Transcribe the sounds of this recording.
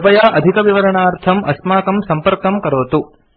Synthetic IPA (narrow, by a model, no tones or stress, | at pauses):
pɐjaːʔɐd̪ʱikɐʋiʋɐɾɐɳaːɾt̪ʰɐmɐ̰smaːkɐmsɐmpɐɾkɐmkɐɾoːt̪u